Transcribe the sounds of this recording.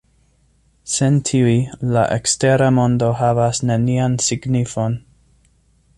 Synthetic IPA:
sentʰiuila̰ʔeksteɾamo̞ndo̞ɦavasneniansiɡnifo̞n

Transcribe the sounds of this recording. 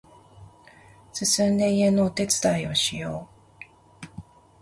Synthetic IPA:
sɨsɨ̃nd̪e̞ie̞nːoːt̪e̞t͡sɨ̥t̪aio̞ɕijo̞ː

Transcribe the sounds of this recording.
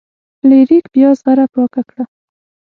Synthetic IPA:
leɾikbjɑzɣaɾapwɑkakɽa

